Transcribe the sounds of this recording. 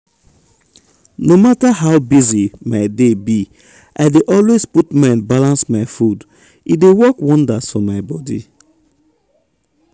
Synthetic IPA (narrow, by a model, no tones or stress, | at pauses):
nomataɦawbizimaɪdebi | ʔaɪdeʔɔlwesputmãnbalãnsmaɪfud | idewɔkwɔ̃ndasfɔ̃mːaɪbɔdḭ